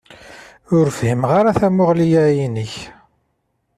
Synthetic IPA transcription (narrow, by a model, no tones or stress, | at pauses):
ʊɾfhimʁaɾaθæmʊʁlijæjinəç